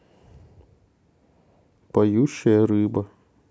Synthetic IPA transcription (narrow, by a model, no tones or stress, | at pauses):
pɐjuʃʲːɐjɐɾɪbɐ